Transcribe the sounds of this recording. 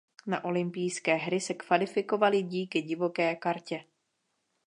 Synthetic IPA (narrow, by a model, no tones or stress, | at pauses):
naʔo̞lɪmpijskɛːɦɾɪsɛkv̥alɪfɪko̞valɪɟiːkɪɟɪvo̞kɛːkaɾcɛ